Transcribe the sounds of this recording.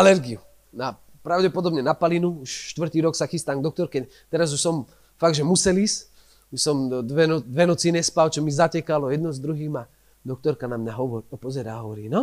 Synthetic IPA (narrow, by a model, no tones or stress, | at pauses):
alɛɾɡiu | na | pɾaʊɟɛpɔd̪ɔbɲɛnapalinuuʃʃt̪ʋr̩t̪iːɾɔksaxist̪aːŋɡd̪ɔk̚t̪ɔɾkɛ | t̪ɛɾazuʃsɔm | faɡd̪ʒɛmusɛliːs | uʃsɔmd̪ʋɛnɔd̪ʋɛnɔt͡sinɛspalt͡ʃɔmizacɛkalɔjɛd̪nɔzd̪ɾuɦiːma | d̪ɔk̚t̪ɔɾkanamɲaɦɔʋɔɾɔpɔzɛɾaːɦɔʋɔɾiːnɔ